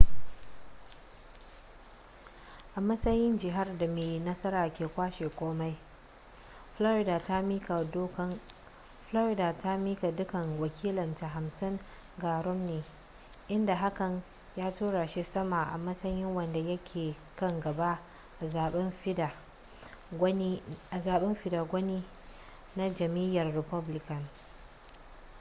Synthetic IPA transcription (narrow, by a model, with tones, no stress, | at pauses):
ʔa˨mɐ˦sɐ˦jɪ˦nd͡ʒɪ˨ɦa˦rda˨meː˨nɐ˦sɐ˦ɾaː˨kʲeː˨kʷaː˦ʃeː˨kʷʼoː˦ma˦j | flɔ˦ɾɪ˦daː˨ta˦mi˦ka˨do˦k | flo˦ɾɪ˨daː˨ta˦miː˦ka˨dʊ˦kɐ˨ŋwɐ˨kʲʰiː˦lɐ˨nta˨ɦa˨msɪ˦ŋ | ɡaː˨ɾɔ˦mneː˨ | ʔɪ˦nda˨ɦa˦kɐ˨n | jaː˦tuː˦ɽa˨ʃi˦sɐ˦ma˨ʔa̰˨mɐ˦sɐ˦jɪ˦ŋwɐ˨nda˨jɐ˦kʲʰeː˨ | kɐ˦ŋɡɐ˨ba˦ | ʔa˨zaː˨ɓɛ˦m˦˨˦ | ʔa˨zaː˨ɓɛ˦mɸɪ˨da˨ɡʷɐ˦niː˦ | na˦d͡ʒɐ˨miː˦jɐ˨rːɪ˨pɐ˦blɪ˦kɐ˨n